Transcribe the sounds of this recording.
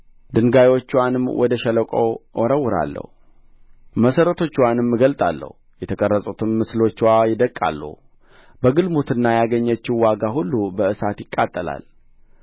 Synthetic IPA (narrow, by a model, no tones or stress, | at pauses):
d̪ɨŋɡajwo̞t͡ʃːwanɨmwʔɔd̪əʃɛləkʼo̰ʔɔɾəwːʊɾa̰lːə̰hu | məsəɾət̪ʰo̞t͡ʃːwanɨmɡəlt̪ʼa̰lːə̰hujɛt̪ʰəkʼərːəsʼut̪ʰɨmːɨslo̞t͡ʃːwajɪd̪əkʼːa̰lːṵh | bəɡɨlmut̪ʰɨnːajaɡəɲːət͡ʃːɪwaɡahulːubəɨsat̪jɪkʼːat̪ʼːəla̰l